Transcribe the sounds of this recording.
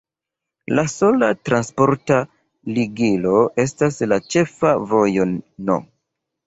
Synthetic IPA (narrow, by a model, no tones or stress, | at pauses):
laso̞latɾanspo̞ɾta | liɡilo̞ʔe̞staslat͡ʃe̞favo̞jo̞nno̰